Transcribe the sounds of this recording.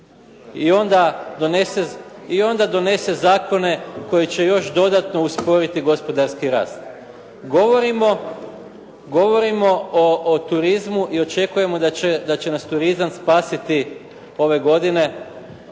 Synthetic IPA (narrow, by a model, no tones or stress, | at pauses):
io̞nd̪ad̪oneseio̞nd̪ad̪o̞ne̞se̞zaːko̞ne̞ko̞jit͡ɕe̞jo̞ʃd̪o̞d̪at̪no̞uspo̞ɾit̪iɡo̞spo̞d̪aɾskiɾa̰ːst̪ | ɡo̞ʋoɾimo̞ | ɡo̞ʋo̞ɾimo̞oʔːt̪uɾizmuʔiot͡ʃe̞kuje̞mo̞d̪aed̪at͡ɕe̞nast̪uɾizamspaːsit̪i | o̞ʋe̞ɡo̞d̪ine̞